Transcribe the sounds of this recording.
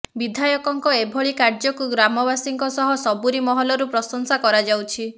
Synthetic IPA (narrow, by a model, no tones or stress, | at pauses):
bid̪ʱajɔkɔŋkɔebʱɔɭikaɾd͡ʒɔkuɡɾamɔbasiŋkɔsɔɦɔsɔbuɾimɔɦɔlɔɾupɾɔsɔŋsakɔɾad͡ʒawt͡ʃʰi